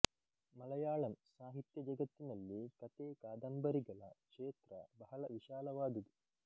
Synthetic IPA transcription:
mɐlɐjaːɭɐmsaːɦit̪jɐd͡ʒɐɡɐt̪ːinɐlːikɐt̪eːkaːd̪ɐmbɐɾiɡɐɭɐ̰kʂeːt̪ɾɐ̰bɐɦɐɭɐʋiʃaːlɐʋaːd̪ɐd̪u

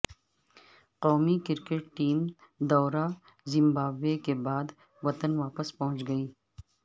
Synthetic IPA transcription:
qɔːmikɪɾkeʈʈiːmd̪ɔːɾa | zɪmbaːbekebaːd̪ | ʋɐt̪ənʋaːpəspɐɦʊ̃nt͡ʃɡɐiː

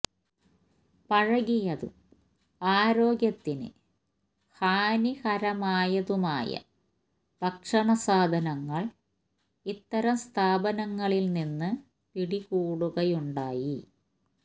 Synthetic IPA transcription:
pɐɻɐɣijɐðṵm | aːɾoːɡjɐt̪ːinɨ̰ | haːnihɐɾɐmaːjɐðumaːjɐ̰ | b̪ɐkʂɐɳɐsaːd̪ʱɐnɐŋːɐɭ | it̪ːɐɾɐmst̪ʰaːbɐnɐŋːɐɭilninːɨ | piɽiɣuːɽuɣɐjuɳɖaːji

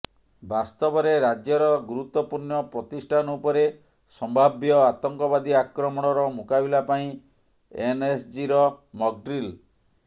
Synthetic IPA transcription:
bast̪ɔbɔɾeɾad͡ʒjɔɾɔɡuɾut̪wɔpuɾnɔpɾɔt̪isʈʰanupɔɾe | sɔmbʱabjɔat̪ɔŋkɔbad̪iakɾɔmɔɽ̃ɔɾɔmukabilapaĩ | enesd͡ʒiɾɔmɔɡ̚ɖɾil

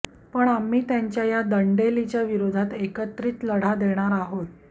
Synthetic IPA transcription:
pəɳamːiːt̪jaɲt͡ɕjajad̪əɳɖelit͡ɕjaʋiɾod̪ʱat̪ekət̪ɾiːt͡sləɽ̤ad̪eɽ̃aɾaɦot̪

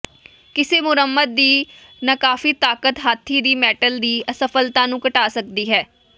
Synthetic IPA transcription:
kɪseːmʊɾəmːəd̪̚ːiː | naːkaːfiːt̪aːkət̪ɦaːt̪ʰːiːd̪iːmɛːʈəld̪iːsəfʰəlt̪ãːnũːkəʈaːsək̚d̪iːɦɛː

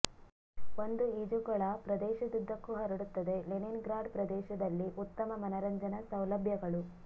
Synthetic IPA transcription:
ond̪uid͡ʒuɡɐɭɐpɾɐd̪ɛːʃɐd̪ud̪ʱːɐkːuɦɐɾɐɽut̪ːɐd̪e̞leninɡɾaːɖ̚pɾɐd̪ɛːʃɐd̪ɐlːiʔut̪ːɐmɐmɐnɐɾɐɲd͡ʒɐnɐsɐwlɐbʱjɐɡɐɭu

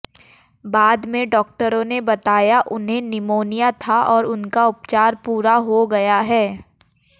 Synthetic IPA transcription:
baːd̪mẽɖɔːk̚ʈəɾõnebɐt̪aːjaʔʊnɦẽnɪmoːnijat̪ʰaʔɔːɾʊnkaʊpt͡ʃaːɾpuːɾaɦoɡɐjaɦɛː

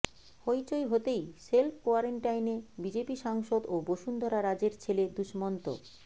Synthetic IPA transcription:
hojt͡ɕojɦot̪ejselpʰkoaɾeɳʈajnebid͡ʑepiʃaŋʃod̪oboʃund̪ʱɔɾaɾad͡ʑeɾt͡ɕʰeled̪uʃmɔnt̪o̰

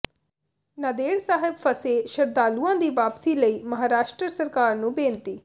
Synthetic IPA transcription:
nəd̪eːɽsaːɦɪbpʰəseːʃəɾd̪aːluːãːd̪iːʋaːpsiːləiːməɦaːɾaːʃʈɾəsəɾkaːɾnũːbẽːnt̪iː

